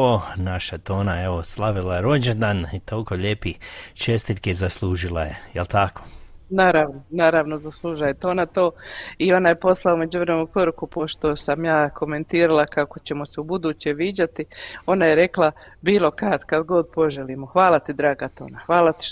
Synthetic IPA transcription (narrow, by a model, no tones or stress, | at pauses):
onaʃat̪oːnaeʋoslˠaʋilajeɾod͡ʒend̪anit̪olkoʎeːpit͡ʃest̪it̪kezasluːʒilˠajejelt̪ako̥naːɾaʋnonaːɾaʋno̞zaslˠuːʒajet̪oːnat̪o̞ːio̞naje̞po̞slˠaume̞d͡ʑuʋɾemenupoɾukupo̞ʃt̪o̞samjaːkʰo̞me̞nt̪iːɾalakako̞t͡ɕe̞mo̞seubud̪uːt͡ɕe̞ʋiːd͡ʑat̪io̞najeɾe̞klˠa | biːlˠo̞kat̪kad̪ɡo̞d̪̚po̞ʒeliːmo̞xʋaːlat̪id̪ɾaːɡat̪o̞̰ːnaxʋaːlat̪i̥ʃ